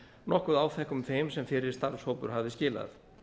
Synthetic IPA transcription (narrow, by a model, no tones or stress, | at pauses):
nɔhkʏðaːwθɛhkʏmfejmsɛmfɪɾɪɾ̥st̪aɾshowpʏɾ̥ɦavðɪscɪːla̰θ